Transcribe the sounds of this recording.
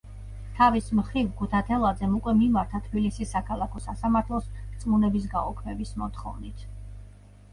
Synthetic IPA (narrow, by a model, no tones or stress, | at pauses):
t̪ʰavismχivɡut̪ʰat̪ʰɛlˠad̪zɛmukʼwɛmimaɾt̪ʰat̪ʰbilisisːakʰalˠakʰɔsasamaɾt̪ʰlˠɔsɾt̪sʼmunɛbis̬ɡaɔkʰmɛbismɔt̪ʰχɔ̰vnit̪ʰ